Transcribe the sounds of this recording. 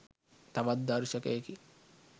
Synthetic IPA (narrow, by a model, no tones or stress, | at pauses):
t̪aʋat̪̚d̪aɾʃəkəeki